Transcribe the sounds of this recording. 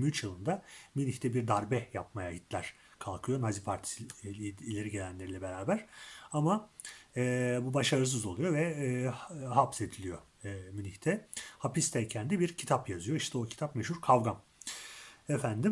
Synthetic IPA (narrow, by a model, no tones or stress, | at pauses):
myyt͡ʃjɯlˠɯnd̪aminiçt̪ʰɛbiɾd̪aɾbɛjapmajaɦit̪ʰlʲæɾ̥ | kʰalˠkʰɯjo̞nazipʰaɾt̪ʰi̥siːlʲe̞ɾiɟe̞lʲænlʲe̞ɾilʲɛbe̞ɾaːbæɾ̥amaɛːbubaʃaɾɯs̬ɯzo̞lˠujo̞vɛ | ɦapse̞d̪ilʲijo̞ | miniçt̪ʰɛhapist̪ʰɛcʰænd̪ɛbiɾcʰi̥t̪ʰapjazɯjo̞iʃt̪ʰɛo̞cʰi̥t̪ʰapmeʃuɾkʰavɡan | efænd̪im